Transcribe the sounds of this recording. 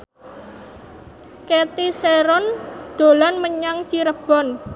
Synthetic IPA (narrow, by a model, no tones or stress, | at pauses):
ket̪iseɾɔnd̪̥o̤lanməɲaŋt͡ʃiɾəb̥ɔn